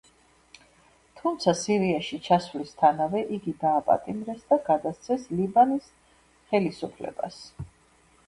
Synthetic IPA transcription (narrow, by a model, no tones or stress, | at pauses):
t̪ʰumt̪sʰasiɾiaʃit͡ʃʰasvlist̪ʰanavɛʔiɡid̪aːpʼa̰t̪ʼimɾɛsd̪aɡad̪ast̪sʰɛslibanis | χɛlisupʰlɛ̰ba̰s